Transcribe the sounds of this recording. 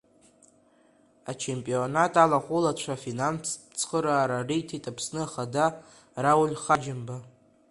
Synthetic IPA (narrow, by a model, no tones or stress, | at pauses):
at͡ʃʰe̞mpʼionatʼalaχʷʊlat͡ɕʷʰafinans | t͡sʰχəɾaːɾarijtʰitʼapʰsnɨaχada | rawʊlʲχad͡ʒɪmba